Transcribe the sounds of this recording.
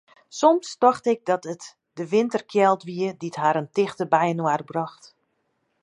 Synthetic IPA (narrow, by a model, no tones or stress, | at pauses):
sɔmstɔxtɪɡ̚dɔtət | dəʋɪntərkʰjɛlˠtʋiəditɦaːɾəntɪxtəbɛjənwarbrɔxt